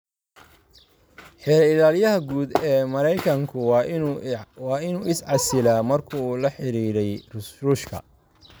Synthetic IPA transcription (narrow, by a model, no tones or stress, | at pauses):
ħɛɾɐɪlaːljɐɦɐɡuːd̪ɛːmɐɾɛjkʰɐŋkʰʊ | wɑːɪnuːʔɪsʕɑsɪlaːmɐrkʰʊːlɐħɪɾiːɾɛjrʊsruːʃkʰɐ̰